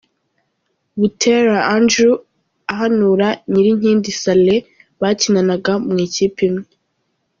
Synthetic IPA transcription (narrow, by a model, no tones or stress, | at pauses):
βutʰeɾaandɾu | aɦanuːɾaɲiɾiɲ̥iːndisale | βaːcinanaɡamŋiːciːpimŋee